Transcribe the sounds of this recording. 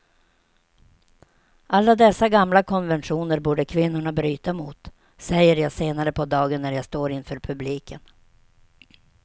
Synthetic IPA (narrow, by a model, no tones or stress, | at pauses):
alːad̪ɛsːaɡamlakʰɔnvɛnʂuːnəɾbuːɖəkʰvɪnːʊɳabɾyːt̪amʊt̪ | sɛjːəɾjɑːseːnaɾəpʰɔd̪ɑːɡənːæɾjaːst̪oːɾɪnfœːɾpʰɵbliːkʰən